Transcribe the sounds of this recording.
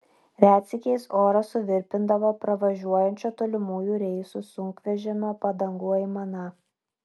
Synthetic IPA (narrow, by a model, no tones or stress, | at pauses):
ɾʲæːt̪ʲsʲɪkʲɛɪsoːɾɐsʊʋʲɪɾʲpʲɪnd̪ɐʋoːpɾɐʋɐʒʲuɔjɛnʲt͡ʃʲoːt̪oːlʲɪmuːjuːɾʲɛɪsusʊŋkʋʲɛʒʲɛmʲopɐd̪ɐŋɡuːɛɪmɐnɐ